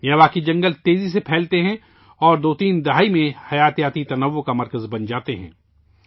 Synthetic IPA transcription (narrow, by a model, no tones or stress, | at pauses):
jɐʋaːkid͡ʒɐ̃ŋɡəlt̪eːzis̬epʰɛːlt̪eɦɛ̃ | ɔːɾd̪oːt̪iːnd̪ɐɦaːimẽhɐjaːt̪jaːt̪it̪ɐnəʋːokamɐɾkəzbɐnd͡ʒaːt̪eɦɛ̰̃ː